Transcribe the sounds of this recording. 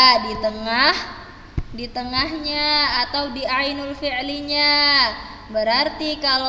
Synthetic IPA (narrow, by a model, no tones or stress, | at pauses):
dit̪əŋah | dit̪əŋahɲaːt̪awdiainulfiʕliɲa | bəɾart̪ikal